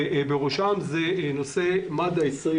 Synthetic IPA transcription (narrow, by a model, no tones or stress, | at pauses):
beʁoʃamzenose̞mad̪aisʁi